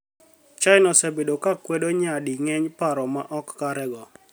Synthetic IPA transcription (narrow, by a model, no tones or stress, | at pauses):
t͡ʃajɪnɔsɛbedokakwɛdoɲadiŋɛɲpaɾɔmaʔɔkːaɾɛɡɔ